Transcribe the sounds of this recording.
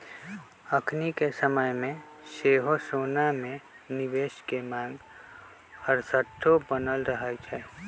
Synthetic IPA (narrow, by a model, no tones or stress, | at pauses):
əkʰnikesəməjmẽ | ʃeːɦosoːnamẽ | nɪʋeːʃkemãːŋɡ | həɾsəʈʰːobənəlɾəɦat͡ʃʰɛː